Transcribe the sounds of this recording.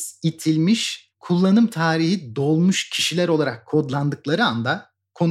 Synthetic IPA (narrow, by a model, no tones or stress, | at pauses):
it̪ʰilʲmiʃ | kʰulˠːanɯmt̪ʰaːɾiɦid̪o̞lˠmuʃcʰiʃilʲæɾo̞lˠaɾakʰːo̞d̪lˠand̪ɯklˠaɾɯand̪a | kʰo̞n